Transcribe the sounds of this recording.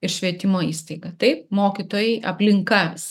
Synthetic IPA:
ɪɾʃʲʋʲiɛt̪ʲɪmoːiːst̪ɐɪɡɐt̪ɐɪpmoːkʲit̪oːjɛɪʔɐ̰pʲlʲɪŋkɐs

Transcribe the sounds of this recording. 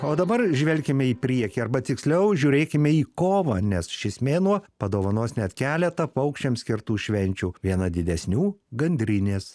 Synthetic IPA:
oːd̪ɐbɐrʒʲʋʲɛlʲkʲɪmʲɛiːpʲɾʲiɛkʲiːɐrbɐt̪ʲɪksʲlʲɛʊʒʲuːɾʲeːkʲɪmʲɛiːkoːʋɐːnʲɛsʃʲɪsʲmʲeːnuɔpɐd̪oːʋɐnoːsnʲɛt̪kʲæːlʲɛt̪ɐpɐʊkʃʲt͡ʃʲɛmsʲkʲɪɾt̪uːʃʲʋʲɛnʲt͡ʃʲuːʋʲiɛnɐd̪ʲɪd̪ʲɛsʲnʲuːɡɐnʲd̪ʲɾʲɪnʲeːs

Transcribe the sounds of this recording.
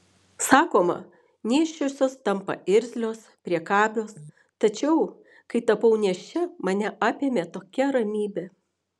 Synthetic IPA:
sɑːkoːmɐ̰ | nʲeːʃʲt͡ʃʲosʲoːst̪ɐmpɐ̰ɪɾʲzʲlʲoːspʲɾʲiɛkɑːbʲoːs | t̪ɐt͡ʃʲɛʊ | kɐɪt̪ɐpɐʊnʲɛʃʲɛmɐnʲɛʔɑːpʲeːmʲeːt̪oːkʲɛɾɐmʲiːbʲe

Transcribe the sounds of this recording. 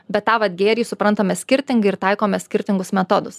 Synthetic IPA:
bʲɛt̪t̪ːɑːʋɐt̪ʲɡʲeːɾʲiːsʊpɾɐnt̪ɐmʲɛsʲkʲɪɾʲt̪ʲɪŋɡɐɪɾt̪ɐɪkoːmʲɛsʲkʲɪɾʲt̪ʲɪŋɡʊsmʲɛt̪od̪ʊs

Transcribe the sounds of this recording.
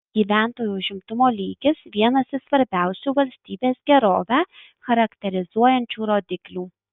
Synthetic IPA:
ɡ̥ʲiːʋʲæˑnt̪oːjuːʊʒʲɪmt̪ʊmoːlʲiːɡʲɪsʋʲiɛnɐsɪsʋɐɾʲbʲæˑʊsʲuːʋɐlʲsʲt̪ʲiːbʲeːsɡʲɛɾoːʋʲæː | xɐɾɐkt̪ʲɛɾʲɪzuɔjɛnʲt͡ʃʲuːɾoːd̪ʲɪklʲuː

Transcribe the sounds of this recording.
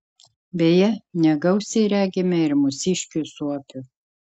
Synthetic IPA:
bʲejɛnʲɛɡɐʊsʲɛɪɾʲæːɡʲemʲɛɪɾmʊsʲɪʃʲkʲuˑsuɔpʲʊ

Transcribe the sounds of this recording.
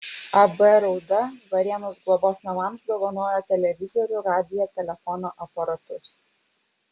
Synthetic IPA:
ɐbɛɾɒʊd̪ɐʋɐɾʲiɛnoːsɡlˠɔboːsnɐʋɑːˑmsd̪oːʋɐnoːjoːt̪ʲɛlʲɛʋʲɪzɔɾʲʊɾɑːd̪ʲɪjɛt̪ʲɛlʲɛfɔnoːʔɐpɐɾɐt̪ʊs

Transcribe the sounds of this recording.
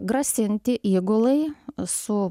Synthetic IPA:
ɡɾɐsʲɪnʲt̪ʲɪʔiːɡolˠɐɪsʊ

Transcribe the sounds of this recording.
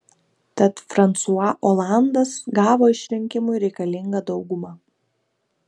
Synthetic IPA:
t̪ɐt̪fɾɐnt̪suɐʔɔːlˠɑˑnd̪ɐsɡɑːʋoːɪʃʲɾʲɪŋʲkʲɪmʊɪɾʲɛɪkɐlʲɪŋɡɐd̪ɒʊɡʊmɑː

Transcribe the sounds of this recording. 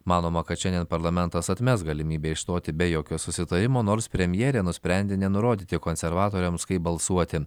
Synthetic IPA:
mɑːnoːmɐkɐt̪ʃʲɛnd̪ʲeɛnpɐɾlˠɐmʲɛnt̪ɐsɐt̪ʲmʲɛsɡɐlʲɪmʲiːbʲeːɪʃst̪oːt̪ʲɪbʲɛjoːkʲoːsʊsʲɪt̪ɐɾʲɪmoːnoːɾspʲɾʲɛmʲjɛːɾʲeːnʊsʲpʲɾʲɛnʲd̪ʲenʲɛnʊɾoːd̪ʲiːt̪ʲɪkoːnʲsʲɛɾʋɑːt̪oːɾʲɛmskɐɪp̚bɐlˠsuɔt̪ʲɪ

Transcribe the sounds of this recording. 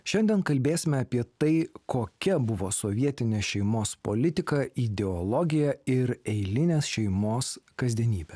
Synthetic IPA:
ʃʲɛnʲd̪ʲiɛnkɐlʲbʲeːsʲɪmʲɛɐpʲiɛt̪ɐɪkoːkʲɛbʊʋoːsɔʋʲiɛt̪ʲɪnʲeːʃʲɛɪmoːspo̰lʲɪt̪ʲɪkɐid̪ʲɛɔlˠɔɡʲɪjɛɪɾɛɪlʲɪnʲeːsʃʲɛɪmoːskɐzʲd̪ʲiɛnʲiːbʲɛ

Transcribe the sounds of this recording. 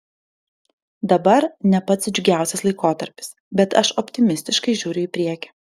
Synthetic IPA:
d̪ɐbɐɾnʲɛpɐt̪sd͡ʒʲʊɡʲæˑʊsʲɛslˠɐɪkoːt̪ɐɾʲpʲɪ̥s | bʲɛt̪ɐʃɔpʲt̪ʲɪmʲɪsʲt̪ʲɪʃkɐɪʒʲuːɾʲʊɪːpʲɾʲiɛkʲɪ̥

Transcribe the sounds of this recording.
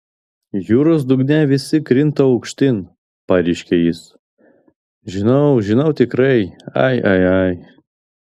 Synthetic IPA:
juːɾos̬d̪ʊɡnʲɛʋʲɪsʲɪkɾʲɪnt̪ɐɐʊkʃʲt̪ʲɪn | pɑɾʲɛɪʃʲkʲejɪs | ʒʲɪnɐʊʒʲɪnɐʊt̪ʲɪkɾɐɪɐ̰ɪʔɐ̰ɪɐɪ

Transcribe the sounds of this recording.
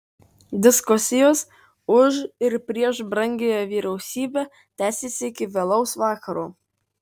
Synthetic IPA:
d̪ʲɪskʊsʲɪjoːs | ʊʃɪɾpʲɾʲiɛʃbɾɐŋʲɡʲejoːʋʲiːɾʲɛʊsʲiːbʲæ | t̪ʲæːsʲesʲɪɪkʲɪʋʲɛlˠɐʊsʋɑːkɐɾuː

